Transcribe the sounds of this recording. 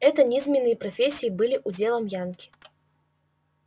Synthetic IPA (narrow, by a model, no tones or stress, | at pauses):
ɛt̪ɐnʲizʲmʲɛnːɨjɐpɾɐfʲesʲijibɨlʲiʔud͡zʲelˠɐmjankʲi̥